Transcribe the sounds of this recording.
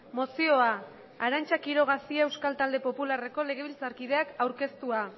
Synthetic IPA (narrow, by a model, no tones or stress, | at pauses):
mo̞sio̞aː | ɾant͡ʃakiɾo̞ɣ̞asiae̞wskalt̪ald̪e̞po̞pulare̞ko̞le̞ɣ̞e̞βilt͡saɾkið̞e̞akawɾke̞st̪ua